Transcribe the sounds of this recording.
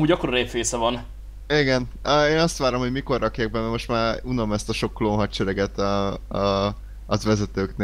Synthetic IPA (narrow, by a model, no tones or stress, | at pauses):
muːɟɒkːooɾeːpfeːsɛvɒn | iɡɛnøeːnɒst̪ʋaːɾo̞mhoɟmiko̞rːɒkjaːɡ̚bɛmːɛmo̞ʃt̪maːɾunɒmɛst̪ɒʃo̞kːloːnɦɒtt͡ʃɛɾɛɡɛt̪ɒ | zʋɛzɛt̪øːkneː